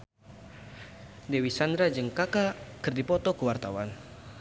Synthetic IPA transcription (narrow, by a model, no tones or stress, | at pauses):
dɛwisand̪ɾad͡ʒɨŋkakakɨrdipɔt̪ɔkəwart̪awan